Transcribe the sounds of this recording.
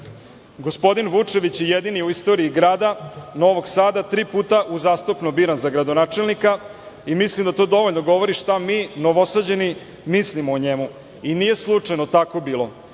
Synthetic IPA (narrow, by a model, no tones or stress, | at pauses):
ɡo̞spo̞d̪inʋut͡ʂe̞ʋit͡ɕjejed̪inijeuist̪o̞ɾiːɡɾaːd̪anoʋoɡsaːd̪at̪ɾiːpuːt̪aʔuzaːst̪opnobiːɾanzaɡɾad̪onaːt͡ʃe̞lnika | imislimd̪at̪od̪o̞ʋoʎnoɡo̞ʋo̞ɾiʃt̪amiːnoʋo̞sad͡ʑeni | mislimoːɲemu | iniːje̞slˠut͡ʂajnot̪akobiːlˠo̞